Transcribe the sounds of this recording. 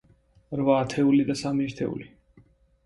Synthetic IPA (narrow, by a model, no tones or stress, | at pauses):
ɾvaːt̪ʰɛulid̪asamiɛɾt̪ʰɛ̰ṵli